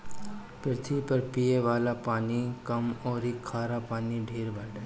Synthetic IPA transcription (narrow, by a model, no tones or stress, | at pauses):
peɾt̪ʰiːpɐɾpijeʋaːlapaːnikɐmoːɾikʰaːɾapaːniɖʱeːɾbaɖa